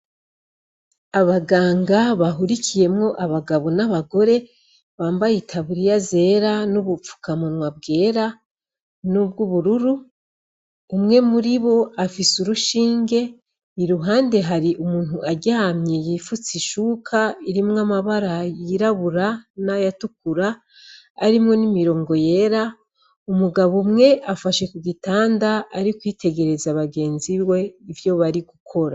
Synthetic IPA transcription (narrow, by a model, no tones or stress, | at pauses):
aβaɡaːŋɡaβaɦuɾikʰije̞mŋo̞ʔaβaɡaβo̞naβaɡo̞ɾe̞ | βaːmbajitʰaβuɾijaze̞ɾanuβup͡fu̥kamonwab̚ɡe̞ːɾa | nub̚ɡuβuɾuɾu | mŋe̞muɾiβo̞afisuɾuʃiːŋɡe̞ | iɾuɦaːnde̞ɦaɾiʔumuːn̥huʔaɟamɲejifut͡siʃuːkʰaiɾimŋamaβaɾajiɾaβuɾanajatuk̚uɾaː | ɾimŋo̞nimiɾo̞ːŋɡo̞je̞ɾa | umuɡaβomŋe̞ʔafaʃe̞kuɡitaːndaaɾikwiːtʰe̞ɡe̞ɾe̞zaβaɡe̞ːnziβwe̞ivjo̞βaɾiɡukʰo̞ɾa